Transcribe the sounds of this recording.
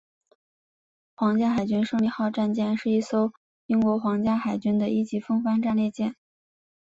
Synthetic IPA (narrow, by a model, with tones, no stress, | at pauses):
xwɑ˧˥ŋt͡ɕja˥xa˨˩ɪt͡ɕy˥nʂɤ˥˧ŋli˥˧xɑ˥˧ʊʈ͡ʂa˥˧nt͡ɕjɛ˥˧nʂɻ̩˥˧i˥˩so˥ʊ | i˥ŋkwɔ˧˥xwɑ˧˥ŋt͡ɕja˥xa˨˩ɪt͡ɕy˥nd̪ə˨ʔi˥˩t͡ɕi˧˥fɤ˥ŋfa˥nʈ͡ʂa˥˧nljɛ˥˧t͡ɕjɛ˥˩n